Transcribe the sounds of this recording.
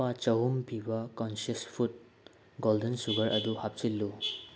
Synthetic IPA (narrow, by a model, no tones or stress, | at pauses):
at͡ʃɐɦumbʰʱibɐkɔnsɐspʰut̚ | ɡoldensuɡɐɾʔɐduhap̚t͡ʃilːu